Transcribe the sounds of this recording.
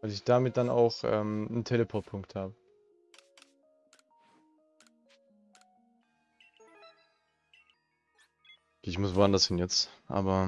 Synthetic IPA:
vaɪlɪçd̥aːmɪt̚d̥ana̰ʊxʔɛ̰ːmntʰeləpʰɔt̚pʰʊŋkthaːbə | kːɪçmʊsv̥oandɐsdɛnjɛt͡stʔa̰ːbɐ

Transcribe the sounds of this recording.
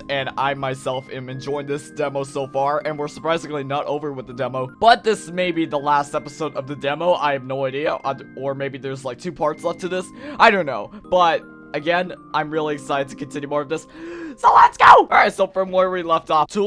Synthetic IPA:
ɨ̃naɪmaɪsɛlˠfɪ̃mɨ̃nd͡ʒɔ̃ɪ̃nðɪsd̥ɛmoʊsoʊfɑɹɨ̃nwɪɹsə˞pʰɹ̥aɪzɪ̃ŋlinəɾʔoʊvə˞wəðɨdɛmoʊb̥ʌt̪̚ðɪsmeɪbiðəlæstɛpəsoʊɾʌvðɨdɛmoʊʔa̰ɪɨvnoʊaɪɾiɨʔə˞meɪbiðə˞zlaɪk̚tʰʉpʰɑɹtslɛftʰɨðɪsʔaɪɾõʊ̃nːoʊb̥ʌt̚ | ʔɨɡɛ̃nʔãɪ̃mɹɪlˠiɨksaɪɾɨdtʰɨ̥kɨ̃n̩tʰɪ̃njʉmɔɹʌvðɪssoʊlætsɡ̥oʊʔɑɹaɪtsoʊfɹʌ̃mwə˞wilɛftɔtʰu

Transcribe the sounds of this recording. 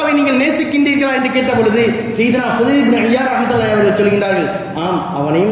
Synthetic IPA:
ɐʋɐɪniːŋɡɐɭneːsɯkːɪɳɖiːɾkːɐɭaːɾɪnɖɯkeːʈːɐpɔɻɯðɯ | sɛjðɯnaːsʊðɐbnɐɳjaːɾɐmɐt̪ːɐlɐɐʋɐɾɯsɔlːɯɣɪnɳɖɾaːɾɣɐɭ | aːm | ɐ̰ʋɐnɐjɯm

